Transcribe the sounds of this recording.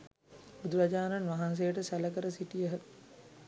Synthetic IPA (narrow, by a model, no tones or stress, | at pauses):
bud̪uɾad͡ʒaːnanʋaɦans̬ejəʈəsæləkəɾəsiʈijəɦə